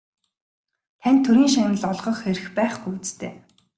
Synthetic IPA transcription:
t̪ʰænʲt̪ʰːɵɾiːŋʃanə̆ɮɔɮʁɞ̆xxeɾɘ̆xpæːχxut͡st̪ʰḛː

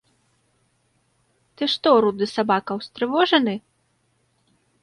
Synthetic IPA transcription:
t̪ɨʂt̪ɔɾud̪ɨsabakɐwst̪ɾɨvɔʐɐnɨ

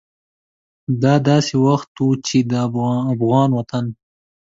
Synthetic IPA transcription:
d̪ɑːd̪ɑːsewaxt̪ut͡ʃed̪əːfɣɑːnwɐt̪an

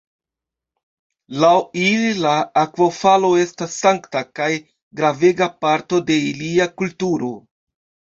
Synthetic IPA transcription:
lawililaːkvofalo̞e̞stasːaŋktakaj | ɡɾave̞ɡapaɾto̞de̞iliakultuɾo̞

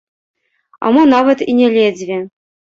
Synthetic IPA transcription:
a̰mɨnɑvɐt̪inʲɛlʲed͡zʲvʲɛ

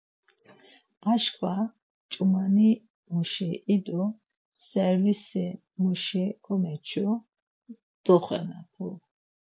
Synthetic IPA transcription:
aʃkʰʼwa | t͡ʃʼumani | muʃiʔid̪u | sɛɾvisi | muʃikʰɔmɛt͡ʃʰu | d̪̥ɔχɛ̰nat̪ʰu

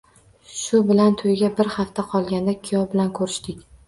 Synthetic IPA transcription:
ʃʊbɪlant̪ʰojɡʲabɪɾhaft̪ʰaqʰɒlˠɡʲand̪akʲʰijɒvbɪlankʰɵɾɪʃt̪ɪkʲ

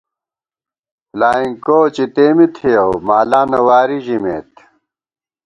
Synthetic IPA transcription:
laːiŋkoːt͡ɕit̪eːmit̪ʰijɐwmaːlaːnɐwaːɾiʑimḛːt̪

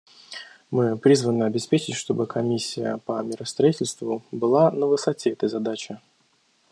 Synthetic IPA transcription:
mɨpɾʲizvənɨɐbʲɪspʲet͡ɕɪtʲʂt̪o̞bɨkʰɐmʲisʲːɪjə̰pəmʲɪɾəst̪ɾɐitʲɪlʲst̪vʊbɨlˠanəvɨsɐtʲeɛt̪əjzɐd̪at͡ɕɪ

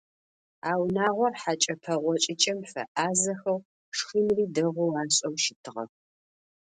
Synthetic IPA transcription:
aːwnaːʁʷɔrħat͡ʃʼɐpʰɐʁʷɔt͡ʃʼɪt͡ʃʼɐmfɐ̰ʔaːzɐxɐw | ʂximriːdɐʁʷʊwaːɕʼɐwʃɪtʰɨʁɐ̰

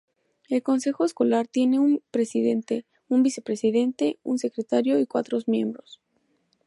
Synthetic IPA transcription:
e̞lko̞nse̞xo̞esko̞laɾt̪je̞ne̞unpɾesiðe̞nt̪e | umbise̞pɾe̞siðe̞nt̪e̞unse̞kɾet̪aɾjo̞ikwat̪ɾo̞zmje̞̰mbɾo̞s

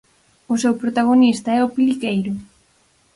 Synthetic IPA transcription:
ʊsewpɾot̪aɣ̞onist̪ɐɛʊpilikejɾʊ

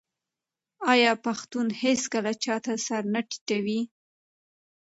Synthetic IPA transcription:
ɑjɑpaxt̪unheskəlat͡ʃɑt̪asaɾnaʈi̥ʈawi

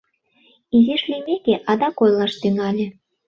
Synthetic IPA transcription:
izʲeʃlʲymʲekʲeʔɑd̪ɑkojlˠɑʃt̪yŋɑlʲĕ

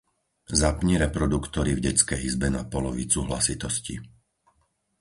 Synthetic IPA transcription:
zapɲiɾɛpɾɔd̪ukt̪ɔɾivɟɛt͡skɛjizbɛnapɔlɔʋḭt͡suɦla̰sit̪ɔscḭ

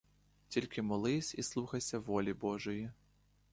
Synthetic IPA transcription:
tʲilʲkɪmɔlˠɪsʲislˠuxɐjsʲɐʋɔlʲibɔʒʊji

